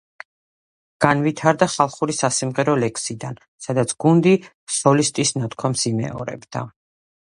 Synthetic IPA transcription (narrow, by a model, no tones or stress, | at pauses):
ɡ̥anvit̪ʰaɾd̪aχalˠχuɾisasimʁɛɾɔlɛkʰsid̪an | sad̪at̪sʰɡ̥und̪i | sɔlist̪ʼisnat̪ʰkʰwamsimɛ̰ɔ̰ɾɛ̰bd̪a̰